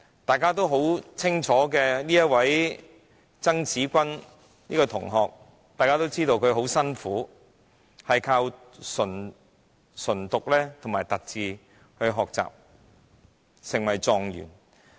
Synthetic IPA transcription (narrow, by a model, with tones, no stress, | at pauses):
t̪aː˨jkaː˥t̪o˥wɦo˨˥wt͡sʰɪ˥ŋt͡ʃʰɔː˨˥kɛː˧niː˥jɐ˥t̚wɐ˨˥j | t͡sɐ˥ŋt͡siː˨˥kʷɐ˥n | niː˥kɔ˧t̪ʰʊ˨˩ŋɦɔː˨k̚ | t̪aː˨kaː˥t̪o˥wt͡siː˥t̪o˧wkʰɵ˨˧ɥɦo˨˥wsɐ˥nfuː˨˥ | hɐ˨jkʰaː˧w | sɵ˨˩n | sɵ˨˩nt̪ʊ˨k̚lɛː˥t̪ʰʊ˨˩ŋmaː˨˩jt̪ɐ˨k̚t͡siː˨ | hɵ˧ɥɦɔː˨k̚t͡sa̰ː˨p̚ | sɪ˨˩ŋwɐ˨˩jt͡sɔː˨ŋjy̰ː˨˩n